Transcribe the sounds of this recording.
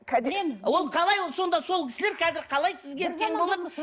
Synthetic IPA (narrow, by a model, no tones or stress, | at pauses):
kʲʰæd̪wo̞lˠqʰɑlˠɑjwˠso̞nd̪ɑso̞lˠkʲʰɪ̥sɪle̞ɾkʰɑzɪɾqʰɑlˠɑjsɪzɡʲet̪ʰeŋbolˠɑd̪